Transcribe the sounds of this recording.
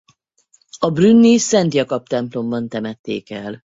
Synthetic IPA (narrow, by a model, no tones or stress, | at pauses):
ɒbrynːisɛnt̪jɒkɒp̚t̪ɛmplo̞mbɒnt̪ɛmɛt̪ːeːkɛl